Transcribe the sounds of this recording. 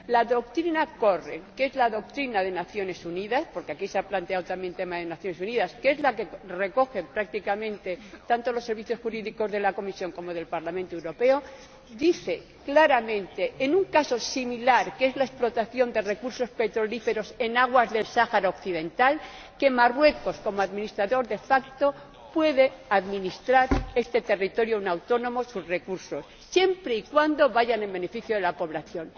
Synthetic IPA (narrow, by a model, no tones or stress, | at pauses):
laðo̞k̚t̪ɾinako̞rḛke̞zlaðo̞k̚t̪ɾinaðe̞naθjo̞ne̞suniðaspo̞ɾke̞akiseaplant̪e̞awt̪amje̞nt̪e̞maðe̞naθjo̞nes̬uniðaskee̞zlake̞re̞ko̞xempɾak̚t̪ikamẽ̞nt̪e̞t̪ant̪o̞losːe̞ɾβiθjo̞sxuɾiðiko̞zðe̞lako̞misjo̞ŋko̞mo̞ð̞e̞lpaɾlamẽnt̪oewɾo̞pe̞o̞ | d̪iθe̞ | klaɾamẽ̞nt̪e̞ʔːnuŋkaso̞similaɾke̞zlae̞splo̞t̪aθjo̞nd̪e̞re̞kuɾso̞spe̞t̪ɾo̞life̞ɾo̞se̞naɣwazðe̞lsaxaɾaokθiðe̞nt̪al | ke̞marwe̞ko̞sko̞moaðminist̪ɾaðo̞ɾðe̞fakt̪o̞ | pwe̞ðeaðmĩnist̪ɾaɾe̞st̪e̞t̪e̞rit̪o̞ɾjounawt̪o̞nõ̞mo̞suzre̞kuɾso̞sːje̞mpɾeikwand̪o̞βaʝane̞mbe̞ne̞fiθjoðelapo̞βlaθjo̞n